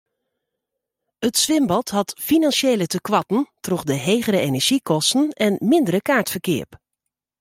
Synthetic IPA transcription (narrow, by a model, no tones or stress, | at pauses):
ətsʋɪmbɔtɦɑtfinɑnsjeːlətəkʋɑtn̩trɔχdəɦeːɣəɾəenɛɹʒ̥ikɔstən̩ɛnmɪndəɾəkaːɹtfəɹkɪ̰ːɹp